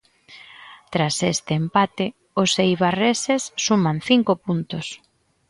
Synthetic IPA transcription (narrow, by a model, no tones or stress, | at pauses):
t̪ɾasest̪ɪːmpat̪ɪ | osejβaresesːumanθiŋkopunt̪ʊs